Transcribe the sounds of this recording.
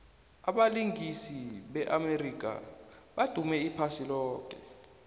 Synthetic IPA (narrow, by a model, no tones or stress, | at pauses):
aɓaliŋisiɓɛʔamerik̬a̰ɓad̥ʱumɛipʰasilɔːkɛ